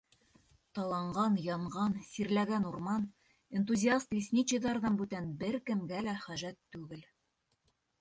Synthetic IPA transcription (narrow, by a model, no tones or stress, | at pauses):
t̪ɑlˠɑɴɢɑnjɑɴʁɑnsiɾlæɡænuɾmɑn | ent̪uzʲiast̪lʲisʲnʲit͡ɕĭðɑɾðɑnbʉt̪ænbɘɾkɘ̆mɡælæχæʒæt̪ːʉɡɘl